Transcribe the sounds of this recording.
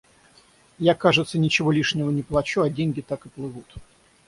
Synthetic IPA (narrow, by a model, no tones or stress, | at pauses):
jakaʐɨt̪sənʲɪt͡ɕɪvo̞lʲiʂnʲɪvənʲɪplˠɐt͡ɕuɐdʲenʲɡʲɪt̪akɨplˠɨvut̪